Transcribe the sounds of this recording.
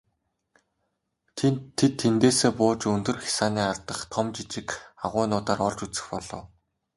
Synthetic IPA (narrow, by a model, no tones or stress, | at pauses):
et̪ʰːent̪eːseːpʊːt͡ɕɵnt̪ɵ̆rxʲḁsaːniːart̪ə̆χt̪ʰɔmt͡ɕit͡ɕɪ̆kaʁʊːnʊːt̪aːɾɔɮt͡ɕut͡sɘ̥̆xpɔɮɞ̰̆ːw